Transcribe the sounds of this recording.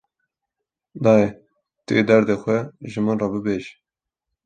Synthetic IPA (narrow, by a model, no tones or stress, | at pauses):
d̪ɑːe | t̪ɨed̪ɛɾd̪eːxʷɛʒɨmɨnrɑːbɨbeːʒi